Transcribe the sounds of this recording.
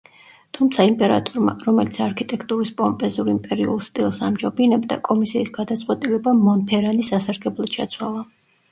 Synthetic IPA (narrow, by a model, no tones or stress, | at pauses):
t̪ʰumt̪sʰaimpʼɛɾa̰t̪ʼɔɾma̰ɾɔmɛlit̪sʰaɾkʰit̪ʼɛkʰt̪ʼuɾispʼɔmpʼɛzuɾimpʼɛɾiṵlˠst̪ʼilˠsa̰md͡ʒɔbinɛbd̪a̰kʼɔmisiːsɡad̪at̪sʼqʼwɛt̪ʼilɛbamɔnpʰɛɾanisasaɾɡɛblˠad̪ʃʰat̪sʰwalˠa